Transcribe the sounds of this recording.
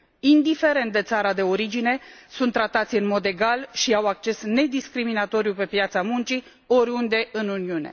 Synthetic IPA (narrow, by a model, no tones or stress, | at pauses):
ind̪ife̞ɾe̞nt̪̚d̪e̞t̪saɾad̪e̞o̞ɾid͡ʒine̞sunt̪ːɾat̪at̪sʲɨnmo̞d̪e̞ɡalʃiawak̚t͡ʃe̞sne̞d̪iskɾiminat̪o̞ɾijupe̞pjat̪samunt͡ʃi | oɾʲund̪e̞ɨnuniune̞̰